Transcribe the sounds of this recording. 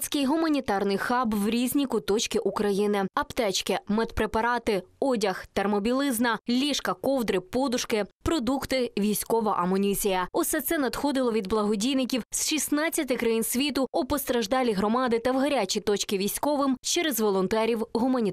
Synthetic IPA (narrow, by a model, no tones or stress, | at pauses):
sʲkɪjɦʊmɐnʲit̪ɑrnɪjxɑbwɾʲizʲnʲikʊt̪ɔt͡ʃkʲɪʔukɾɐjinɪɐpt̪ɛt͡ʃkɪmɛt̪pɾepɐɾɑt̪ɪɔdʲɐxt̪ermɔbʲilˠɪznɐlʲiʃkɐkɔwd̪ɾɪpɔd̪ʊʃkɪpɾɔd̪ukt̪ɪʋʲijsʲkɔʋɐʔɐmɔnʲizʲijɐɔsɛt̪sɛnɐd̪xɔd̪ɪlˠɔʋʲid̪blˠɐɦɔdʲijnɪkʲiwsʃisnɑt͡sʲːɐt̪ɪkɾɐjinsʲʋʲit̪ʊʊpɔst̪ɾɐʒd̪ɑlʲiɦɾɔmɑd̪ɪt̪ɐwɦɐɾʲat͡ʃʲit̪ɔt͡ʃkɪʋʲijsʲkɔʋɪmt͡ʃɛɾɛzʋɔlˠɔnt̪ɛɾʲiwɦʊmɐnʲi